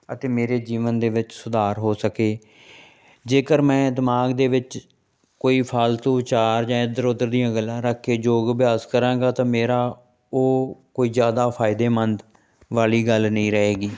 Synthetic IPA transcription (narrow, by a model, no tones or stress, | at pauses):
ət̪eːmeːɾeːd͡ʒiːʋənd̪eːʋɪt͡ʃsʊd̪aːɾɦoːsəkeː | d͡ʒeːkəɾmɛ̃ːd̪ɪmaːɡd̪eːʋɪt͡ʃ | koːiːpʰaːlt̪ũːt͡ʃaːɾd͡ʒãːɪd̪əɾʊd̪əɾd̪ijãːɡəlːãːɾəkʰːeːd͡ʒoːɡbɪjaːskəɾãːɡaːt̪ãːmeːɾaː | oːkoːiːzjaːd̪aːpʰaːɪd̪eːmənd̪ | ʋaːliːɡəlnəĩːɾəɦeːɡiː